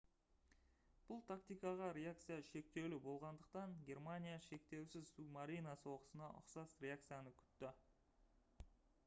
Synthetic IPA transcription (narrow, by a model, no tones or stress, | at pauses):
b̥ʊlˠt̪ʰakt̪ijkɑʁɑɾʲe̞ak̚t̪sɨjaʃe̞k̚t̪e̞wlɪbo̞lˠʁɑnd̪əq̚t̪ɑŋɡʲe̞rmanʲijaʃe̞k̚t̪e̞wsɪzsumaɾijnɑsəwo̞qə̥sənɑʔʊ̰qsɑsɾʲe̞ak̚t̪sɨjanəkʲʰʏ̥t̪ːɪ